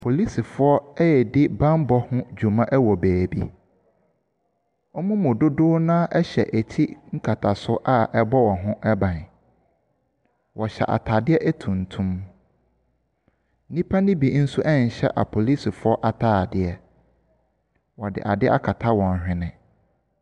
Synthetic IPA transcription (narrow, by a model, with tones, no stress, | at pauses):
pʰo˨li˦si˨fʊ˨ɔ˦ɛ˦jɛ˨dɪ˦bã˦m˦bɔ˦hʊ̃˦d͡ʑᶣu˨mã˦ʔɛ˦wɔ˨bæː˨bḭ˦ | ɔ˦mũ˦mʊ̃˨dʊ˦dʊː˦nã˦ʔɛ˦ɕɛ̰˨ʔæ˨tʰi˦ŋ̩˦kʰa˨tʰa˨sʊ˦ʔa˦ʔɛ˦bɔ˦wɔ˨ɦʊ̃˦ʔɛ˦bã˨n˨ | wɔ˨ɕɛ̰˨ʔa̰˨tʰa˨dɪ˦ɛ˦ʔɛ˦tʰũ˨n̩˨tʰũ˦m˦ | nĩ˦pʰa˦nĩ˦bi˨˦n̩˦su˦ʔɛ˦n˨ɕɛ̰˦ʔa̰˨pʰo˨li˦si˨fʊ˦ɔ˦ʔa˨tʰaː˦˨dɪ˨ɛ˦ | wɔ˨dɪ̰˨ʔa˨dɪ˦ʔa̰˦kʰa˨tʰa˦wɔ̃˨n˨hᶣɪ̃˦nɪ̃˨